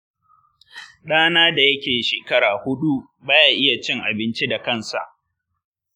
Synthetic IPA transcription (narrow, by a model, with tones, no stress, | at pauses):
ɗaː˦naː˦da˨jɐ˦kʲeː˨ʃeː˨kɐ˦ɽaː˨hʊ˦ɗu˦ | baː˦jaː˨ʔɪ˦ja˨t͡ʃɪ˦ŋʔa˨bɪ˦nt͡ʃi˦da˨kɐ˦˨nsa̰˨ʔ